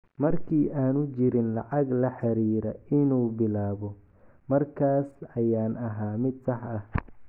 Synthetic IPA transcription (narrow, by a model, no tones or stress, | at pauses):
mɐrkʰiːʔaːnʊt͡ʃɪɾɪnlɑʕɑɡlɐħɑɾiːɾɐɪnuːbɪlaːβɔ | mɐrkʰaːsɐjaːnɐɦaːmɪd̪̚sɑħɐh